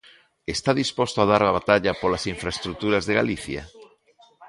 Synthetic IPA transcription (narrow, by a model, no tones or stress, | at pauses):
est̪aðispost̪oað̞aɾaβat̪aʎapolasiɱfɾaest̪ɾuk̚t̪uɾazðeɣa̰liθja̰